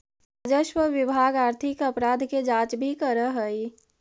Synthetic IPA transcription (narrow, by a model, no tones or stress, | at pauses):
ad͡ʒəʃwəʋɪbʱaːɡaːɾt̪ʰɪkɐpɾaːd̪ʱked͡ʒaːt͡ʃbʱikəɾəɦəi